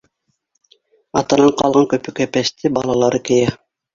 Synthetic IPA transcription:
ɑt̪ɑnɑɴqɑlˠʁɑŋkɵpɵ̆kæpæst̪ɘbɑlˠɑlˠɑɾɤkɘ̆jæ

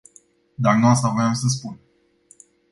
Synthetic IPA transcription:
d̪aknuast̪avɾeamsəs̬pun

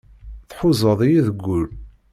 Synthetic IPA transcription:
θħʊzˤəðˤijiðəɡʷːʊl

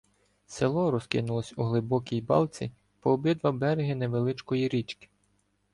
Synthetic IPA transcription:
selˠɔɾɔskɪ̰nʊlˠɔsʲuɦlˠɪbɔkʲijbɑ̰lˠt͡sʲḭ | pɔːbɪd̪ʋɐbɛɾeɦɪneʋelˠɪt͡ʃkɔjiɾʲit͡ʃkɪ̥

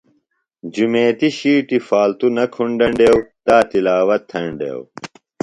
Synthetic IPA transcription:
d͡ʑumeːt̪iɕiːʈifaːlt̪unɐkʰuɳɖɐɳɖeːwt̪aːt̪ilaːwɐt̪ʰːɐɳɖḛːw

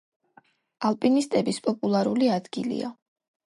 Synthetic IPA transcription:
alˠpʼinist̪ʼɛbispʼɔpʼulˠaɾuliad̪ɡḭlḭa̰

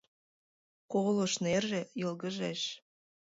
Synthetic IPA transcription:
koɣloʃnerʒĕjɤlɣə̆ʒeʃ

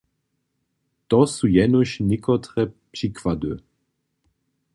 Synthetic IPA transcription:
t̪ɔsujɛnoɕnɪkʰɔt̪ʁɛpʃikvad̪ø

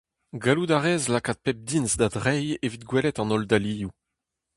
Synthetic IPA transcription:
ɡalud̪aʁɛːzlakat̪̚pɛp̚d̪insd̪ad̪ʁɛjevit̪̚ɡwɛlɛt̪ɑ̃nɔld̪aliːju

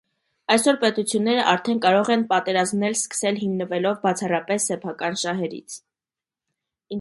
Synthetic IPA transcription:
ɑjsɔɾpɛt̪ut͡sʰjunːɛɾəʔɑɾt̪ʰɛnkɑɾɔʁɛnpɑt̪ɛɾɑzmnɛlskə̥sɛlɦimnəvɛlɔvbɑt͡sʰɑrɑpɛsːɛpʰɑkɑnʃɑɦɛɾḭt͡sʰ

